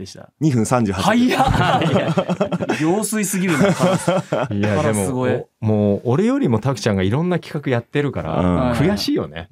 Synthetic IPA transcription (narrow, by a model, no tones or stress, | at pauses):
d̪ea̰ɲ̟ihɯ̃sãɲ̟d͡ʑɨːha | ɡʲoːsɨisɨɡʲiɾɯn | jad̪e̞mo̞ɡmo̞ːɾe̞jo̞ɾʲimo̞t̪akɯ̟̥t͡ɕãŋɡaiɾõ̞nːakʲi̥kakɯ̟jat̪ːe̞ɾɯ̟kaɾã̰kʰɯ̟jaɕiːjo̞̰ne̞̰